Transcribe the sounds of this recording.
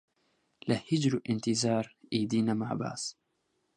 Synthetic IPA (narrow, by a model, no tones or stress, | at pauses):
lahɪd͡ʒɾʔɪnt̪ɪzɑːɾˤʔiːd̪iːnamaʕba̰ːs